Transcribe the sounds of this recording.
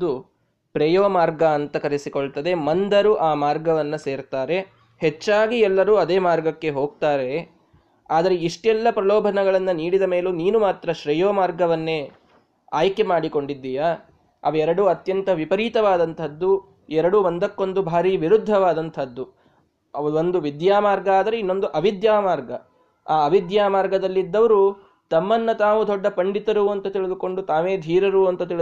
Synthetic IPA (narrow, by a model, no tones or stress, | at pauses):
d̪u | pɾejoːmaːɾɡɐːnt̪ɐkɐɾisikoɭt̪ɐd̪e̞mɐnd̪ɐɾuʔaːmaːɾɡɐʋɐnːɐse̞ːɾt̪aːɾe̞ | het͡ʃːaːɡiɛlːɐɾuːɐd̪eːmaːɾɡɐkːe̞ɦo̞ːɡ̚t̪aːɾe̞ | aːd̪ɐɾe̞iʂʈɛlːɐpɾɐlɔːbʱɐnɐɡɐɭɐnːɐniːɽid̪ɐme̞ːluniːnumaːt̪ɾɐʃɾɐjoːmaːɾɡɐʋɐnːe̞ | aːjkemaːɽiko̞ɳɖid̪ːijɐ | ɐ̰ʋɐɛɾɐɽuɐt̪jɐnt̪ɐʋipɐɾiːt̪ɐʋaːd̪ɐnt̪ʰɐd̪ːu | ɛɾɐɽuʋɐnd̪ɐkːo̞nd̪ubʱaːɾiːʋiɾud̪ʱːɐʋaːd̪ɐnt̪ʰɐd̪ːu | ond̪uʋid̪jaːmaːɾɡɐaːd̪ɐɾeinːo̞nd̪uʔɐʋid̪jaːmaːɾɡɐ | aːɐʋid̪jaːmaːɾɡɐd̪ɐlːid̪ːɐʋɐɾu | t̪ɐmːɐnːɐt̪aːʋud̪ɔɖːɐpɐɳɖit̪ɐɾuɐnt̪ɐt̪iɭid̪uko̞ɳɖut̪aːʋeːd̪ʱiːɾɐɾuːɐnt̪ɐt̪̬iɭ